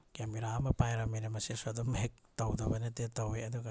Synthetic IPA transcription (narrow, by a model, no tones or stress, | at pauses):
kemiɾaɐmɐpajɾaminɐmɐsesadumek̚tɐwdɐbɐnetetɐweɐduɡɐ